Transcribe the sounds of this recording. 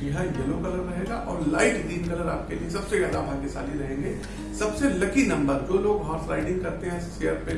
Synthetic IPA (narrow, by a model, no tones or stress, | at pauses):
ɐɦãjɐlõkɐləɾɾɐɦeːɡaʔɔːɾlaːɪʈɡɾiːmkɐləɾaːp̚keliesɐbsezjaːd̪aʋɦãːkesaːliɾɐɦẽːŋɡeː | sɐbselɐkinɐ̃mbəɾd͡ʒoːloːɡɦaːɾslaːɪʈɪ̃ŋɡ̚kɐɾt̪eɦɛ̃ɪseːəɾpe